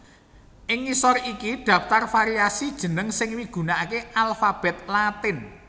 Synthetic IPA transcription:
ʔɪŋːisɔrikid̪̥a̤ft̪arfaɾiasid̥ʒ̥ə̤nəŋsɪŋmiɡ̥ṳnaakeʔalfab̥ɛ̤t̪̚lat̪ɪn

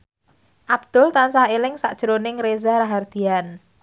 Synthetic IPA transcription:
ʔab̥̚d̪̥ʊ̤lt̪ansahelɪŋsaʔd̥ʒ̥ɾonɪŋɾezaɾaɦard̪̥i̤an

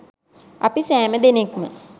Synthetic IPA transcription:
ɐpisɛːməd̪enekmə

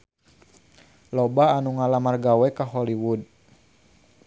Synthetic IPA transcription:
lɔbaːnuŋalamarɡawɛkaɦɔliwud

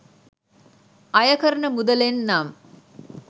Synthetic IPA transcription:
ajəkəɾəɳəmud̪əlenːam

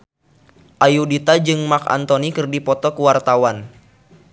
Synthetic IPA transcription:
ʔajudit̪ad͡ʒɨŋmaka̰nt̪onikɨrdipɔt̪ɔkəwart̪awan

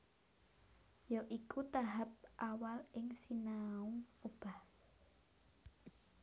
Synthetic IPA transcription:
joʔikut̪aɦap̚ʔawalɪŋsinauŋob̥a̤h

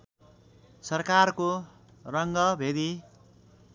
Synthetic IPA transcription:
sʌrkarko | rʌŋɡʌbʱed̪i

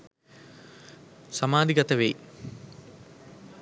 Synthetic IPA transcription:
samaːd̪iɡɐt̪ɐʋḛj

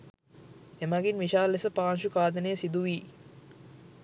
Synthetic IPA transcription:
emaɡinʋiʃaːlːesəpaːnʃukaːd̪ənejəsid̪uʋiː

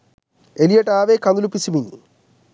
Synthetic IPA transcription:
elijɐʈːaːʋekɐnulupːisimiɲːu

